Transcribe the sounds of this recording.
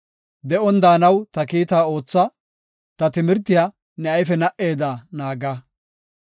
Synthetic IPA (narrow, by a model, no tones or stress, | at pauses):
d̪ɛʔɔnd̪aːnɐwt̪ɐkiːt̪aːo̞ːt͡sːɐ | t̪ɐt̪ɪmɪɾt̪ːɪjaː | nɛɐjfɛnɐʔe̞ːd̪aːnaːɡɐ